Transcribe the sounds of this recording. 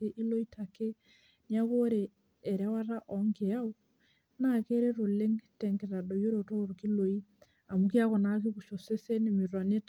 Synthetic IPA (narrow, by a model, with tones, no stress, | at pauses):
e˦ʔi˦lo˦i˦tʰa˨ke˦ | nja˦ɣo˦ɾeː˨ | ɾɛ˦wa˦ɾa˦ʔɔ˨ŋɡe˨a˦u˦ | na˦ke˦ɾe˦ɾo˨le˦ŋtɛ˨ŋɡe˨ɾa˨do˨jo˦ɾo˨to˦ɾo˨ki˦lo˨i˦ | a˨mu˨ki˦a˦kɔ˨na˦ke˦ku˨ʃo˨se˦se˦ne˨mi˨ɾwa˨ne˦t